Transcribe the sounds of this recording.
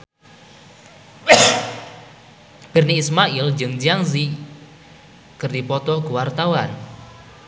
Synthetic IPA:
b̥ɪ̤rniːsmaɪld͡ʒɨŋd͡ʒaŋzi | kɨrdipɔt̪ɔkuwart̪awan

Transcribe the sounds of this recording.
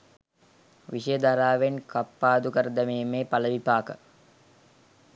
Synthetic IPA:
ʋiʃəjəd̪aɾaːʋenkapːaːd̪ukəɾəd̪ɐmeːmeːpaləʋipaːkə

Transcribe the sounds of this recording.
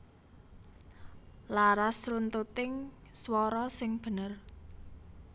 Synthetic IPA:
laɾasrunt̪ut̪ɪŋswɔɾɔsɪŋb̥ə̤nər

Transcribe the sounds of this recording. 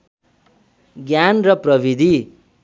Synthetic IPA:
ɡjanrʌprʌbʱid̪ʱi

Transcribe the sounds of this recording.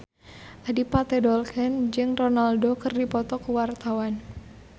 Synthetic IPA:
ʔadipat̪ɛdɔlkɛnd͡ʒɨŋronaldokɨrdipɔt̪ɔkəwart̪awan

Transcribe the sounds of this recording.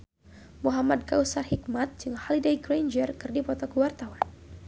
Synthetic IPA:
muɦamad̚kawsarhik̚mat̪̚d͡ʒɨŋhɔlidejɡɾajnd͡ʒərkɨrdipɔt̪ɔkəwart̪awan

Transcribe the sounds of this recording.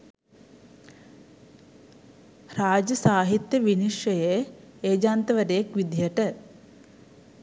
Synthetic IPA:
raːd͡ʒəsaːɦit̪jəʋiniʃjəje | eːd͡ʒaːnt̪əʋəd̪ejekʋid̪jəʈə

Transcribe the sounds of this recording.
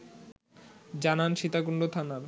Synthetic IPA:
d͡ʑananʃit̪akuɳɖot̪ʰanaɾ

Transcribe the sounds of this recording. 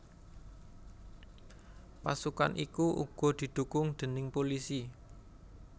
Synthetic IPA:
pasukanʔikuʔṵɡ̥ɔ̤d̪̥i̤d̪̥ṳkʊŋd̪̥ə̤nɪŋpolisi

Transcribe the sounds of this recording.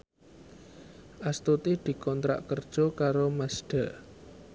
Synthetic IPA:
ʔast̪ut̪id̪̥i̤kɔnt̪ɾa̰ʔkərd̥ʒ̥ɔ̤kaɾomasɖ̥ä̤ʔ

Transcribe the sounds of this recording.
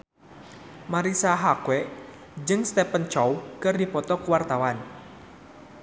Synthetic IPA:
maɾisaɦakwɛ | d͡ʒɨŋst̪ɛpənt͡ʃɔwkɨrdipɔt̪ɔkuwart̪awan

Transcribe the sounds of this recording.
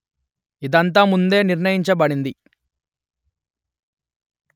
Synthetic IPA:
id̪ɐnt̪̬aːmund̪e̞ːniɾnɐjiɲt͡ʃɐbɐɽind̪i

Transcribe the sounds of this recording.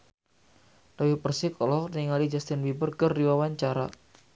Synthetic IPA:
d̥awipərsɪkʰɔlɔht̪iŋalid͡ʒast̪ɪnwibərkərːiwawaɲt͡ʃaɾa̰

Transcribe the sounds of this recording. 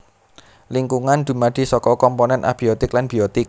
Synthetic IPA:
liŋkuŋand̪̥ṳmaɖ̪̥i̤sɔkɔkɔmpɔnɛnʔa̰b̥iot̪ɪklanb̥iot̪ɪk̚

